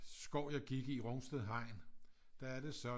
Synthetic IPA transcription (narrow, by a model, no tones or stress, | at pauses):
sɡ̥ɒʊ̰jɑ̈ɡ̥iɡ̥əiʁɔ̽ŋsd̥eðˠɦɑ̈ɪ̰n | d̥ææɐd̥e̝sɒ̽